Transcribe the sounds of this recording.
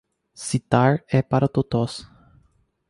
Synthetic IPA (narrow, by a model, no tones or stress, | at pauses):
sit̪aɾɛpaɾɐt̪ot̪ɔs